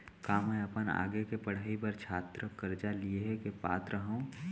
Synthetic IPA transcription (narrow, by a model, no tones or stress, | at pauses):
kaːmɛ̃əpəna̰ːɡekepəɽ̤əibəɾt͡ʃʰaːt̪ɾəkəɾd͡ʒalieɦkepa̰ːt̪ɾəɦõ